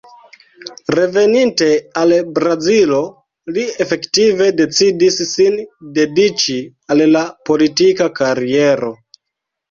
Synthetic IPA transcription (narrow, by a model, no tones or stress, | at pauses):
ɾe̞ve̞ninte̞albɾazilo̞ | liefe̞ktive̞de̞t͡sidisːinde̞dit͡ʃi | allapo̞litikakaɾie̞ɾo̞